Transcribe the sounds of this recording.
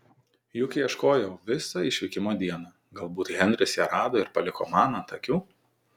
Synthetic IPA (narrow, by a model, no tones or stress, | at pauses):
jʊkʲɪiɛʃkoːjɛʊʋʲɪsɑɪʃʲʋʲɪkʲɪmoːd̪ʲiɛnɑː | ɡɐlˠbuːt̪ɣʲɛnʲd̪ɾʲɪsjɛɾɑːd̪oːɪɾpɐlʲɪko̰ːmɑːnɐnt̪ɐkʲuː